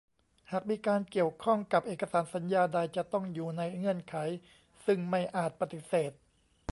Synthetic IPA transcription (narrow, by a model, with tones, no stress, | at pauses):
haː˨˩k̚miː˧kaː˧nki˨˩əwkʰɔ˥˩ŋka˨˩p̚ʔeː˨˩kːa˧saː˩˦nsa˩˦njaː˧da˧jt͡ɕa˨˩t̪ɔ˥˩ŋjuː˨˩na˧jŋɯ˧˩ənkʰa˩˦j | sɯ˥˩ŋma˥˩jʔaː˨˩t̪̚pa˧t̪i˨˩seː˨˩t̪̚